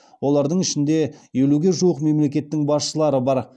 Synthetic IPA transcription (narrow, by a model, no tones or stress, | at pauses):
wo̞lˠɑɾd̪əɴɪʃɪnd̪e̞je̞luɡʲe̞ʒuwəqme̞mle̞kʲe̞t̪ːɪŋbɑsʃəlˠɑɾəbɑɾ